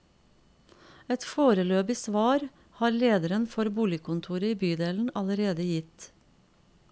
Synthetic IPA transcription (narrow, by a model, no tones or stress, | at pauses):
ɛt̪foːɾəløːbɪsʋɑːɾ | hɑːɾleːd̪əɾənfɔɾbuːlɪkʰʊnt̪ʰuːɾəiːbyːd̪eːln̩ɑləɾeːd̪əjɪt̪